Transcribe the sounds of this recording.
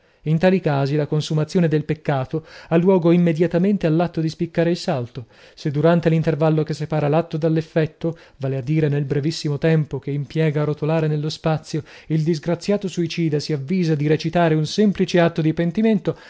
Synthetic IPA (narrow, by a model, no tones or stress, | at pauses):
int̪aːlikaːzilakonsumat̪sːjoːned̪elpekːaːt̪oalːwɔːɡoimːed̪jat̪ament̪ealːat̪ːod̪ispikːaːɾeilsalt̪o | sed̪uɾant̪elint̪ervalːokesːepaːɾalat̪ːod̪alːefːɛt̪ːo | vaːlead̪ːiːɾenelbɾevisːimot̪ɛmpokeimpjɛːɡaɾot̪olaːɾenelːospat̪sːjoild̪izɡɾat̪sːjaːt̪osuit͡ʃiːd̪asiavːiːzad̪iɾet͡ʃit̪aːɾeunsɛmplit͡ʃeat̪ːod̪ipent̪iment̪o